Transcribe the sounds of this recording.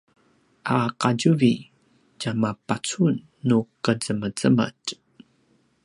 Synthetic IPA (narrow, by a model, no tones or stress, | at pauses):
ʔaqaɟuvi | camapat͡sunː | ukəd͡zəməd͡zəmə̰t